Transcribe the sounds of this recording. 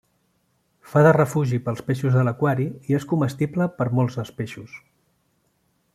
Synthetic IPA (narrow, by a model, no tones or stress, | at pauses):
faðərəfuʒipəlˠspeʃuzðələkwaɾiieskuməst̪ibləpəɾmɔlˠzðəlˠspeʃus